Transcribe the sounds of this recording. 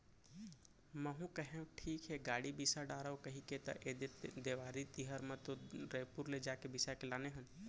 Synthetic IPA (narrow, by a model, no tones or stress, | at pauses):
məɦũkəɦẽʈʰiːkɦɛɡaːɽibisaɖaːɾəokɐɦiket̪ɐ̰ʔeːd̪ed̪eːʋaːɾit̪iɦəɾmãt̪oɾeːpuɾled͡ʒaːkebisakelaːneɦən